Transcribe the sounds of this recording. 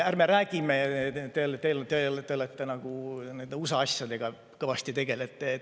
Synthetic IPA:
ærme̞ɾæːɡ̥imet̪elet̪elt̪elt̪ːeolet̪ːenɑɡ̥une̞nd̪̥eusɑɑsjɑd̪e̞ɡ̥ɑ | kɤ̞vɑst̪it̪e̞ɡ̥e̞let̪ːˑe

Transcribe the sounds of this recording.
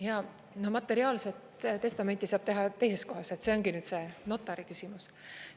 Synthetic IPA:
jɑ | nohmɑt̪ːˑe̞ɾiɑːlse̞t̪ | t̪e̞st̪ɑme̞nt̪ːˑisɑːb̥t̪e̞ɦɑt̪e̞jse̞sko̞ɦɑse̞t̪se̞o̞ŋɡinyːd̪se̞ːno̞t̪ːˑɑɾikysʲimus

